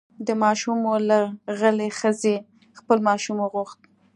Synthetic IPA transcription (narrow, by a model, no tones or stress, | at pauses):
d̪əmɑʃumolaɣəlexəze | xpəlmɑʃumoɣuxt̪̚